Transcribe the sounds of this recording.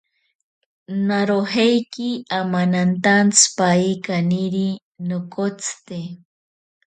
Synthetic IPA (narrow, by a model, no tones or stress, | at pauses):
naɾoɦejkiamanant̪ant͡spaikaniɾi | nokot͡st̪e